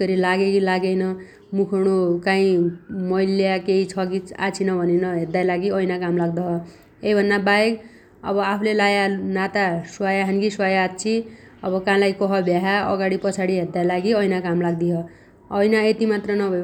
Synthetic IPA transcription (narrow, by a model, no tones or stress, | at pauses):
kʌɾilaɡekilaɡejnʌ | mukʰuɽ̃ukaĩmʌiljakeit͡sʰʌkit͡sa̰t͡sʰinʌbʱʌnenʌɦed̪ajlaɡiʌjnakamlaɡd̪ʌɦʌ | ejbʱʌnːabajek | ʌ̰bʌapʰulelajanat̪aswajaɦanɡiswajaːt̪t͡sʰi | ʌbʌkãlajkʌɦʌbʱjaɦaʌ̰ɡaɽipʌt͡sʰaɽiɦeɾd̪ajlaɡiʌjnakamlaɡd̪iɦʌ | ʌjnaet̪imat̪rʌnʌbʱʌj